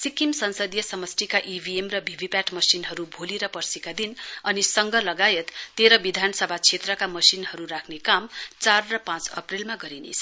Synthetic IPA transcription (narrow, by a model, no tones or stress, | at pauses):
sikimsʌnsʌd̪jʌsʌmʌsʈikaʔibʱiemrʌbʱibʱipaʈmʌsinɦʌɾubʱoliɾʌpʌrsikad̪inʌnisʌŋɡʱʌlʌɡajet̪ːeɾʌbid̪ʱanʌsʌbʱat͡sʰet̪rʌkamʌsinɦʌɾuɾakʰnekamt͡sarrʌpãt͡sʌ̰prilmaɡʌɾinḛt͡sʰ